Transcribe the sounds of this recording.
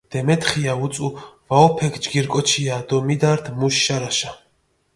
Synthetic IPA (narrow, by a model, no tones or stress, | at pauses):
d̪̥ɛmɛt̪χiaut̪sʼuvaɔpʰɛkʰd͡ʒɡiɾkʼɔt͡ʃʰiad̪ɔmid̪aɾt̪ʰmuʃːaɾaʃa